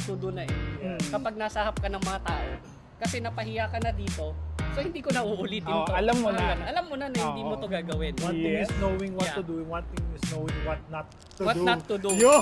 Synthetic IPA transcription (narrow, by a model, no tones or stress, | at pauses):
t̪ud̪ʊnɐʔɛkɐpɐɡ̚nasɐhɐp̚kɐnɐŋmɐŋɐt̪aːʔo̞ | kɐsɛnɐpɐɦɪjakɐnɐd̪iːt̪o̞sohɪnd̪iːkonɐʔuʔʊlɪt̪̚ɪmt̪oɐlɐmmːonɐnʔɐlamːonɐnɐhɪnd̪iːmot̪oɡaːɡɐwɪnwɐɪŋɪsnowɪŋwɐt̪ːʊd̪uwɐnt̪ɪŋɪsnowɪŋwɐt̪̚nɐt̪ːuwɐtd̪uɐt̪ːʊd̪ujo